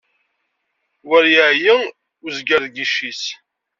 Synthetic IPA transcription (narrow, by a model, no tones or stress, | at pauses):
wæɾjəʕjə | uzɡæɾðɡiʃːis